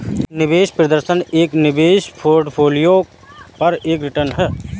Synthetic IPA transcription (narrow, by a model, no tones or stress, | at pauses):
nɪbeːʃpɾəd̪əɾʃəneːknɪbeːʃpʰoːɾɖpʰoːlijo | pɐɾeːkɾɪʈəɾnɦɛː